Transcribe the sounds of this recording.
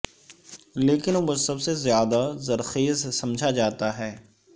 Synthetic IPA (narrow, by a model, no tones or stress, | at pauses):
leːkɪnmʊd͡ʒsɐbsezjaːd̪azɐɾxeːzsɐ̃md͡ʒʱad͡ʒaːt̪aɦɛː